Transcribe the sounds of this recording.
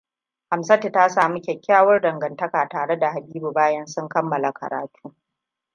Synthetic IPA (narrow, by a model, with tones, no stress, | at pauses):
ha˨msɐ˦te˨ta˦saː˨mu˦kʲɛ˨kʲːaː˦wɐ˦rdɐ˨ŋɡɐ˨ntɐ˦kaː˨taː˨ɽe˦da˨ha˨biː˦bu˨baː˦jɐ˦nsʊ˦ŋkɐ˦mːɐ˨la˨kʰɐ̰˨ɾa̰ː˨tʰuː˦